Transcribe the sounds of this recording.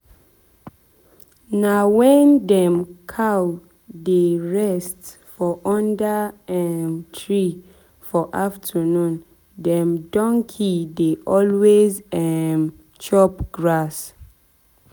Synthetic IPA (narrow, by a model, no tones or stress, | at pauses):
nawɛ̃ndɛ̃mkʰaw | deɹɛst | fɔʔɔ̃ndaɛmtʰɹi | fɔʔaftʰənũn | dɛ̃mdɔ̃ŋkʰideʔɔlwezɛm | t͡ʃɔpɡ̥ɹas